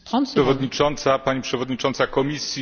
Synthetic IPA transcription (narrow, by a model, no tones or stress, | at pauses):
aʂɛvɔd̪ɲit͡ʂɔnt̪sapaɲipʂɛvɔd̪ɲit͡ʂɔnt̪sakɔmʲisʲji